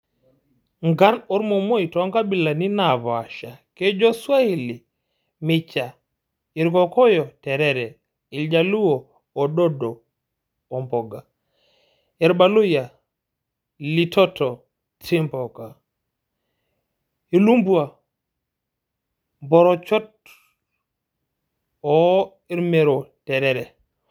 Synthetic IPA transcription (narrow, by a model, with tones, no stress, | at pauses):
ŋɡa˦nɔ˦ɾmɔ˨mo˦i˨tɔ˦ŋɡa˦bi˨la˨ni˦na˨βa˨ʃa˨ke˦d͡ʒɔ˦swa˦i˦˨li˨ | mɪ˦t͡ʃa˨ | i˨ɾkɔ˨kɔ˦jɔ˨tɛ˨ɾɛ˦ɾɛ˨ | ɪ˨ld͡ʒa˨lu˦oː˨ | dɔ˦dɔː˨ | mbɔ˨ɡa˨ | ɛ˨ɾba˦lʊ˦ja˨ | li˨tʰɔ˦tɔ˨ | tɾi˦mbɔ˨ka˨ | i˨lu˦mbwa˨ | mbɔ˨ɾɔ˨t͡ʃɔ˦t̚ | ɔ˨ | i˦ɾme˨ɾo˨tɛ˨ɾɛ˦ɾɛ˨